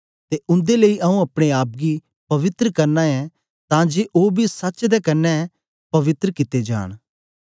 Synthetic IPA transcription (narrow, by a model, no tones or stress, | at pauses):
t̪eʔʊ̃nd̪eləiʔɐũɐpɽ̃eaːp̚ɡi | pɐʋɪt̪ɾəkɐɾnaɛ̃ | t̪ãːd͡ʒeːʔoːbʱisɐt͡ʃd̪ɛːkɐnːɛ | pɐʋɪt̪ɾəkɪt̪ed͡ʒa̰ːɽ̃